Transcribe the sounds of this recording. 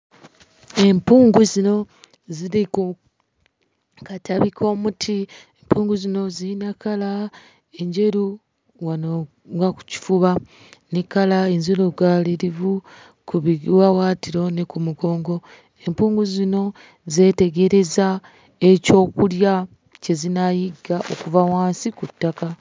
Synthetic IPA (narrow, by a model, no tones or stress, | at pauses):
e̞mpuːŋɡuzino̞ | ziiku | katʰaβikʰo̞ːmutʰiempʰuːŋɡuzino̞ziːnakala | eɲɟe̞ɾu | wano | ŋɡaku̥ci̥fuβa | nikalaeɲzoɾoɡaliɾivu | kuβiɡwawaːtiɾo̞nekumuɡo̞ːŋɡo̞ | empuːŋɡuzino̞ | ze̞te̞ɡe̞ɾe̞za | e̞co̞ːkulja | ce̞zinajiɡːaʔo̞̰kuvawaːnsikutːaka